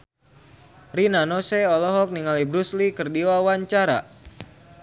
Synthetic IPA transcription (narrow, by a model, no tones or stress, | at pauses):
rinanɔsɛɔlɔɦɔk̚niŋalibɾuslikɨrdiwawaɲt͡ʃaɾa̰